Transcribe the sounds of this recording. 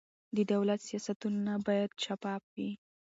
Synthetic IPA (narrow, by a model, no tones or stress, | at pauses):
d̪əd̪awlat̪sijɑsat̪unnabɑjad̪̚t͡ʃapɑp̚wi